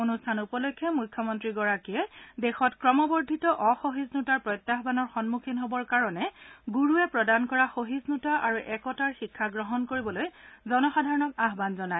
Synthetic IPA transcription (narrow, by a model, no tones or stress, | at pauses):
onustʰanupɔlɔjkʰːjɔmujkʰːjɔmɔntɹiɡɔɹakiɛdɛxɔtkɹɔmɔbɔɹdʱitɔʔɔxoɦiznutaɹpɹɔjtːaɦbanɔɹxɔnmukʰinɦobɔɹkaɹɔnɛɡuɹuɛpɹɔdankɔɹaxoɦiznutaʔaɹuʔɛkɔtaɹxikʰːaɡɹɔɦɔnkoɹibɔlojzɔnɔxadʱaɹɔnɔkaɦbanzɔnaj